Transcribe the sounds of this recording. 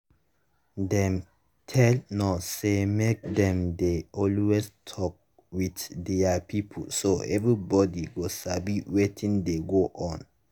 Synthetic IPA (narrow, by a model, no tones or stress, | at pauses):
dɛ̃m | tʰɛlnɔsemek̚dɛ̃mdeʔɔlwestʰɔk̚ | witdɛapʰipʰə̰lsoʔɛvɹibɔdiɡosabiwetʰĩŋdeɡoʔɔ̃n